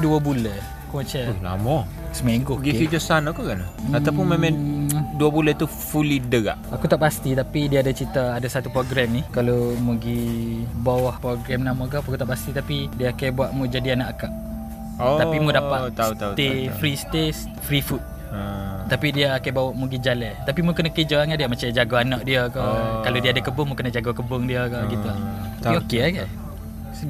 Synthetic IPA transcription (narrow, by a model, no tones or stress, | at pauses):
duabulə | kumat͡ʃala̰mɔ | səmaɡoɡiid͡ʒɔsanakukanaaawpunmemãduabulət̪u | fulidəɡa̰ʔakut̪aʔpast̪it̪apidiaːdat͡ʃit̪aːdasat̪upɾoɡɾɛmnihkalomuɡibawahpɾoɡɾɛmnamãk̬aakut̪aʔpast̪it̪apidiəːkajbuaʔmud͡ʒadianaʔakaʔ | t̪apimudapaʔ̪st̪efɾist̪es | fɾifut̪̚ | t̪apidiəːkajbawɔʔmuɡid͡ʒalɛt̪apimukənakəd͡ʒaaŋadiamat͡ʃad͡ʒaɡoanak̚diəkɔkalodiadakəbʊŋmukənad͡ʒaɡakəbʊŋdiəkait̪u | t̪aiokeaɡa